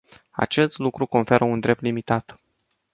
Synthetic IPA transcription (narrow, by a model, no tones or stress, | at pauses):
a̰t͡ʃe̞st̪lukɾuko̞nfe̞ɾʔəund̪ɾe̞p̚t̪limit̪at̪